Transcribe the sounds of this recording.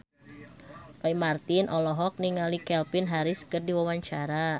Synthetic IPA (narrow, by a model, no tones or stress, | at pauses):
paimart̪ɪnʔɔlɔɦɔk̚niŋalikɛlpɪnɦaɾɪskərdiwawaɲt͡ʃaɾa